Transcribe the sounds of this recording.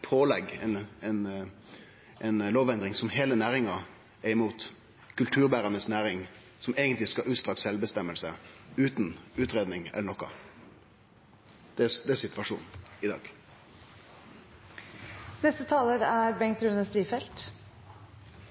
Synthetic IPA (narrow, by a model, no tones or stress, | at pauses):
pʰoːlɛɡɛnɛn | ʔɛnloːʋɛnd̪ɾɪŋsɔmheːlənæːʁɪŋɑ | æɪmuːt̪ | kʰʉlt̪ʰʉːʁbæːʁɑnəsnæːɾɪŋ | sɔmeːɡənt̪lɪskɑʔʉːt̪st̪ʁɑksɛlbəst̪ɛmːəlsəʉːt̪nʉːt̪ɾeːd̪nɪŋɛ̰lːəɳɔkːɑ̰ | d̪̥ɛd̪ɛːsɪt̪ʋɑʂṵːnɪd̪ɑ̰ːɡ̥ | nɛst̪ət̪ʰɑːləɾæɾbɛŋt̪ɾʉːnəst̪ɾiːfɛlt̪